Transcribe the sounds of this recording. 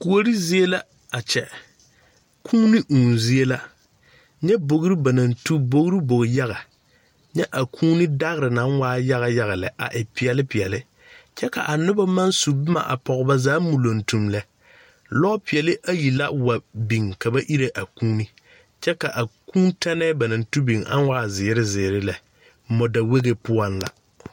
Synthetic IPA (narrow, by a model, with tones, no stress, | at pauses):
ku˨o˦ɾi˦zi˦e˦la˦ | a˨t͡ʃɛ̰˨ | kʰuː˦ni˦ʔuː˨nzi˦e˦la˦ | ɲɛ˦bo˨ɣɾi˦ba˨na˨ntu˦bo˦ɣɾi˦bo˨ɣja˦ɣa˨ | ɲɛ˦ʔa˨kʰuː˦ni˦da˦ɣɪ˦ɾɪ˨na˨˦waː˦ja˦ɣa˨ja˦ɣa˨lɛ̰˨ʔa̰˨ʔɪ˨pɪ˨ɛ˨lɪ˦pɪ˨ɛ˨lɪ˦ | t͡ʃɛ˦ka̰˨ʔa˨nʊ˦ba˦ma˦nsu˨bɪ˦ma̰˨ʔa̰˨pɔ˨ɣba˦zaː˦mu˨lo˨ntu˨mlɛ˦ | lɔ˦pɪ˨ɛ˨lɪ˦ʔa˦ji˨la̰˦wa˨bi˨ŋka˨ba˦ʔi˦ɾe˨ʔa˨kuː˦ni˦ | t͡ʃɛ˦ka˨ʔa˨kũː˦ntʰa˦nɛː˦ba˨na˨ntu˦bi˨ŋa̰˦n˦waː˦˨zɪː˨˦ɾɪ˦zɪː˨ɾɪ˦lɛ˨ | mɔ˨da˨we˦ɡe˨pʊ˦a˦nla̰˨